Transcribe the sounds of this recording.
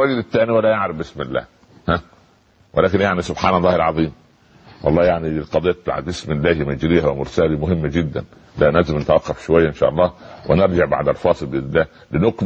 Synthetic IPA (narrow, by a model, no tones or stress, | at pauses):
wæɡɪd̪ɪt̪ːæːniwælːæjaʕɾɪfbʔɪsmɪlːæ̰ːh | hæ | wɪlæːkɪnjaʕnisʊbħaːnɑlˤːɑːhɪlʕɑðˤiːm | wʔɑ̰lˤːɑːjaʕnilqɑd̪ˤijːɑt̪t̪a̰ʕa̰bʔɪsmɪlːæːhimæd͡ʒɾiːæwemʊɾsæːlimʊɦɪmːæd͡ʒɪd̪ːæ̰n | d̪ænælzɪmnɪt̪æwɑqːɑfʃowajːæʔenʃæ̰ʔɑ̰lˤːɑːwɪ̰neɾˤd͡ʒɪʕba̰ʕd̪ælfɑːsˤɨlbɪd̪æ | lɪnʊk